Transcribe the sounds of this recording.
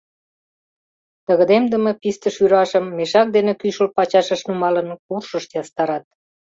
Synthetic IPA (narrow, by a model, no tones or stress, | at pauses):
t̪əɣəd̪emd̪əməpist̪əʃyɾɑʃəmːeʃɑk̚d̪enekyʃəlpɑt͡ɕɑʃəʃnumɑlənkurʃəʃjɑst̪ɑɾɑt̪̚